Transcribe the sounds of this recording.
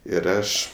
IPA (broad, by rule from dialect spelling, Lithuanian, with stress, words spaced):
ɪr ˈɐʃ